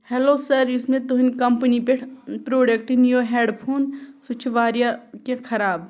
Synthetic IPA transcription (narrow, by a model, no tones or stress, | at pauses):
hɛloːsəɾismẽt̪uɦinkɐmpənipeʈʰpɾoːɖək̚ʈnijoɦeːɖpʰoːnsut͡ʃʰʋaːɾijakekʰɐɾaːb